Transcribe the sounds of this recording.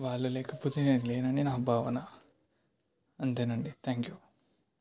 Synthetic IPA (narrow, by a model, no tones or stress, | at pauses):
ʋaːlulekʰɐput̪inenleːnɐɳinaɦbʱaːʋɐnɐ | ɐnt̪enɐɳɖit̪ʰaːŋkju